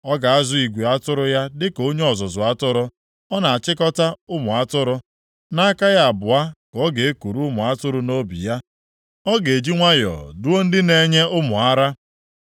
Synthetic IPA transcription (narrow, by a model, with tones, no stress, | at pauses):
ɔ˦ɡa˨a˦zʊ˨i˨ɡʷe˨a˦tʊ˦ɾʊ˦ja˦dɪ˦ko˦ɲe˦ɔ˨zɔ˨zʊ˨a˦tʊ˦ɾʊ˦ | ɔ˦na˨a˨t͡ʃɪ˦kɔ˦ta˦ʊ˦mʊ˨a˦tʊ˦ɾʊ˦ | na˦ka˦ja˦a˨bʊ˨a˦kɔ˦ɡe˨e˦ku˨ɾu˦mʊ˨a˦tʊ˦ɾʊ˦no˦bḭ˨ja˦ | ɔ˦ɡe˨e˨d͡ʒi˦ŋʷa˦jɔ̰˨du˦o˦n̩˦dɪ˦ne˦ɲe˦ʊ˦mʊ˨a˦ɾa˦